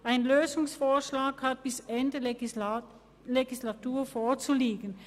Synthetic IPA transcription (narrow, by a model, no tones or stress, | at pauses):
ʔaɪnløːzʊŋsfoːɐʃlaːkhat̚b̥ɪsʔɛndə | leɡislatuːɐfoːɐt͡suliːɡən̩